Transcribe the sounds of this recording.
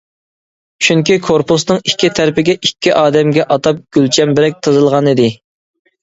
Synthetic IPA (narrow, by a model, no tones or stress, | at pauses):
t͡ʃʰyŋkʲikʰoɾpus̬nɨŋikʲːit̪ʰæɾpɪɡʲɛʔikʲːiʔɑːd̪ɛmɡʲɛʔɑt̪ɑp̚ɡ̥ʲylt͡ʃʰɛmbɪɾɛk̚ʲt̪ʰɨzɨlˠʁɑnid̪ɪ